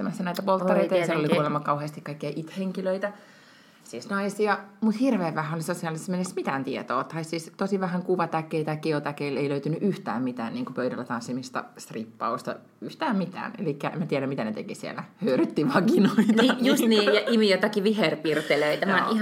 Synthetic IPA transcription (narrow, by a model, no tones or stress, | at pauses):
æmæsːænæit̪æpoltːɑeit̪ɑjjselːoliuolemːɑkɑuheːst̪ikɑikːejɑʔit̪heŋkiløit̪æ | siːsnɑisiɑmut̪hirʋeːʋʋæhæolisosiɑlːˑisːmenesmit̪æːnt̪iet̪o̰ːt̪ɑissist̪osiʋæɦæŋkuʋɑt̪ækːeit̪ækːiot̪ækeileiløyt̪ynyʔyht̪æ̰ːmmit̪æ̰ːnniːŋkupøyɾæ̰lːæt̪ɑnsːimist̪ɑ̰st̪ripːɑ̰ust̪ɑ̰ | yht̪æːmmit̪æ̰ːnḛlikːæʔḛmæt̪iɛɾæmit̪ænet̪ḛkisiḛlæhøːryt̪ːiʋɑkinoitnɑːjusnijɑʔimijot̪ɑkiʋiɦerpirt̪eløit̪æmæi